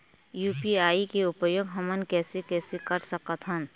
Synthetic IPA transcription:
juːpiaːikeʊpjoːɡɦɐmənkɛːsekɛːsekɐɾsəkət̪ɦən

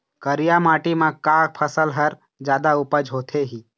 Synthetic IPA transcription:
kəɾijamaːʈimãkaːk̚pʰəsəlɦəɾ | d͡ʒjaːd̪aʊpəd͡ʒɦoːt̪ʰeɦiː

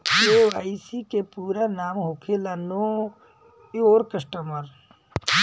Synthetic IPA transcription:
keʋaːisikepuːɾanaːmɦoːkʰelano | oːɾkəsʈəməɾ

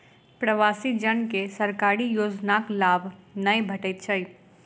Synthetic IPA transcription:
pɾəʋaːsid͡ʒənkesəɾkaːɾijoːd͡ʒnaklaːbʱnəjbʱəʈət̪̚t͡ʃʰəj

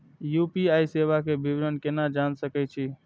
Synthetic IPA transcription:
jupiajsebakebibɾənkenad͡ʒansəkɛt͡ʃʰi

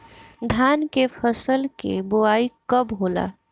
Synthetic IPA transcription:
d̪ʱaːnkepʰəsəlkḛboaːikəbɦola̰

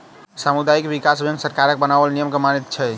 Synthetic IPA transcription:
samud̪ajikbikasbʱjə̃ŋɡsəɾkaɾək̚bənabəlnijəmkemanit̪̚t͡ʃʰɛ

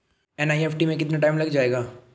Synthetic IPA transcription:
ɛnaːieːpʰʈimẽkɪt̪naʈaːɪmlɐɡd͡ʒaːeːɡaː

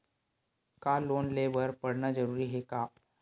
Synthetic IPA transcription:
kalonlebəɾpəɽnad͡zəɾuɾiːɦeka

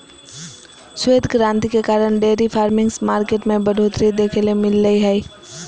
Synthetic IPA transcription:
sweːd̪ɡɾãːnt̪ikekaːɾəɳ̃ɖeːɾipʰaːɾmɪ̃ŋsmaːɾkeːʈmẽbɐɖʱoːt̪ɾid̪eːkʰelemɪlːəiɦɛi

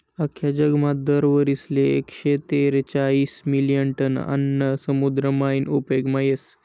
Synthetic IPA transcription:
əkʰjad͡ʑəɡmat̪̚d̪əɾʋəɾisleḛkɕet̪eɾt͡ɕaiːsmilijəɳʈəna̰nːəsəmud̪ɾəmainupeɡmajes

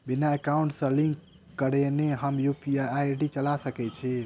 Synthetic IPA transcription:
binaekauɳʈsə̃liŋkː | əɾeneɦəmjupiajɖit͡ʃəlasəkɛt͡ʃʰi

